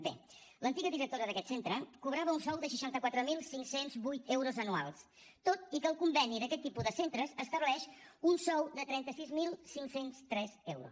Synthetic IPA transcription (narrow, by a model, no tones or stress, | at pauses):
bḛlənt̪iɣəðiɾək̚t̪oɾəðəkɛt̪sent̪ɾəkuβɾaβəunsɔwðəʃəʃant̪əkwat̪ɾəmilˠsiŋsenzβujt̪ewɾuzənua̰lˠs | t̪ot̪ikəːlˠkumbɛniðəkɛt̪ːipuðəsent̪ɾəzəst̪əβlɛʃunsɔwd̪ət̪ɾɛnt̪əsizmilˠsiŋksenst̪ɾɛzɛwɾṵ